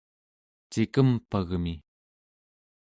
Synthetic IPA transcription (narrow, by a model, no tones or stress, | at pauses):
t͡ʃikəmpaɣmi